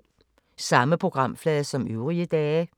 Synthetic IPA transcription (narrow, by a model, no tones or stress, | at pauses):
sɑ̈məpʰʁoɡ̥ʁɑ̈m̰flɛːðˠsɒ̽møʊʁiəd̥ɛːə